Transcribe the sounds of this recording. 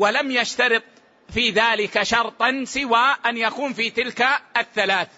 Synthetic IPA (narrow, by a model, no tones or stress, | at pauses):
walamjaʃt̪ɑɾɨt̪ˤ | fiːðaːlɪkaʃɑɾˤt̪ˤɑnsɪwaːʔanjakuːmfiːt̪ɪlkaʔaθːalaːθ